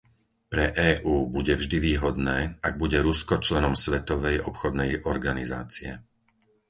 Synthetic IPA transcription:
pɾɛʔɛːʔuːbuɟɛvʒd̪iʋiːɦɔd̪nɛːaɡ̚buɟɛɾuskɔt͡ʃlɛnɔmsʋɛt̪ɔʋɛjɔpxɔd̪nɛjɔɾɡaniza̰ːt͡siɛ̰

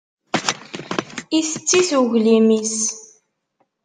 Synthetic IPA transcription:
iθət͡sːiθuʝlimis

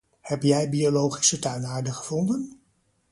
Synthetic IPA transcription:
hɛpjɛjbiolowχi̥sətœɥnaːɹdəχəv̥ɔndən

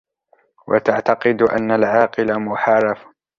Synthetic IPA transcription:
wʔa̰t̪aʕt̪ɑqɨd̪ʔa̰nːalʕɑːqɨlamʊħɑrˤɑf

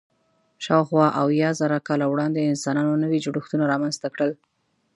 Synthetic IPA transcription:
ʃɑwxwɑʔawjɑzaɾakɑlawɽɑnd̪eɪnsɑnɑnonəwid͡ʒɽuxt̪unaɾɑmanz̥t̪akɽəl

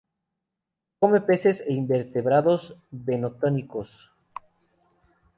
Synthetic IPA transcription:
kome̞pe̞seseimbe̞ɾt̪e̞βɾaðo̞zβenot̪onikos

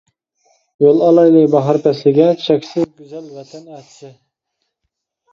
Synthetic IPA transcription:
jolˠɑlˠɑjnɨbɑɦɑɾpʰɛslɪɡʲɛt͡ʃʰɛkʲsɪzɡʲyzɛlvɛt̪ʰɛnɛt̪ʰʃɪ

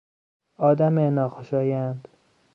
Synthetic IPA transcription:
ɒːd̪æmenɒːxoʃɒːjænd̪̥

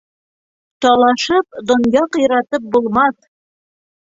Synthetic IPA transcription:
t̪ɑlˠɑʃɤp̚d̪ŏnjɑqjɾɑt̪ɤp̚bulˠmɑθ

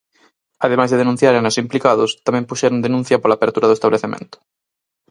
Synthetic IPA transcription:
aðemajzðeðenũn̟θjaɾenasimplikaðʊst̪amɛ̃mpuʃɛɾʊnd̪enũn̟θjɐpolaːβeɾt̪uɾaðʊest̪aβleθemḛ̃nt̪ʊ̥

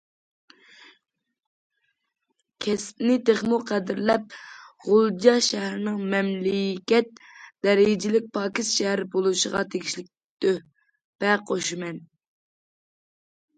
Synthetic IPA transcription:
kʲʰɛsnɪt̪ʰeχmuqʰæd̪ɪɾlɛp̚ʁʊlˠd͡ʒɑʃɛɦɾɪnɪŋmɛmlɪkʲɛt̪̚d̪̥ɛɾɪd͡ʒɪlɪk̚ʲpʰɑːkʲist̪ʃɛhɾɪbolˠuʃəʁɑ̰t̪ʰeɡʲiʃlɪk̚ʲ | d̪̥ø | b̥ɛqʰoʃimɛn

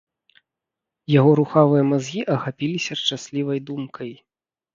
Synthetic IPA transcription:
jaɣɔɾuxavɨjɐmazɣʲiʔɐxapʲilʲisʲɐʂt͡ʂasʲlʲivɐjd̪umkʰɐj

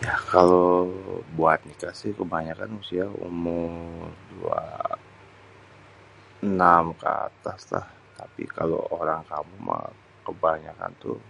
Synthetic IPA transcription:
jakalo | buat̪̚nikasɪhkəbaɲakanusiaṵmʊrdua | namkəat̪asla̰h | t̪apḭkalo̰oɾaŋkamuma | kəbaɲaka̰nt̪u

